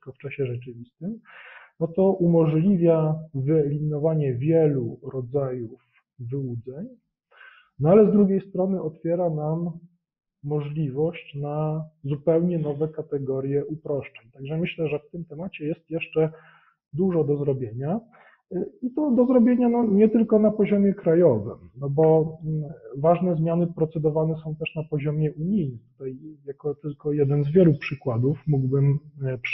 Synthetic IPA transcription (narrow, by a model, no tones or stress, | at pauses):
kɔft͡ʂaɕɛʐɛt͡ʂɘvʲist̪ɘmnɔt̪ɔʔumɔʐlʲivʲjavɘɛlʲinɔvaɲɛvʲjɛluɾɔd̪zajuf | vɘwud̪zɛɲ | nɔalɛzd̪ɾuɡʲjejst̪ɾɔnɘʔɔt̪fʲjɛɾanamː | ɔʐlʲivɔɕt͡ɕnazupɛwɲɛnɔvɛkat̪ɛɡɔɾʲjɛʔupɾɔʂt͡ʂɛɲt̪aɡʐɛmɘɕlɛʐɛft̪ɘmt̪ɛmat͡ɕɛjɛst̪jɛʂt͡ʂɛ | d̪uʐɔd̪ɔzɾɔbʲjeɲa | it̪ɔd̪ɔzɾɔbʲjeɲanɔɲɛt̪ɘlkɔnapɔʑɔmʲjɛkɾajɔvɘ̰mnɔbɔ | vaʐnɛzmʲjanɘpɾɔt̪sɛd̪ɔvanɛsɔ̃w̃t̪ɛʂnapɔʑɔmʲjɛʔuɲijnɘt̪u̥t̪ajjakɔt̪ɘlkɔjɛd̪ɛnzvʲjɛlupʂɘkwad̪ufmuɡbɘmp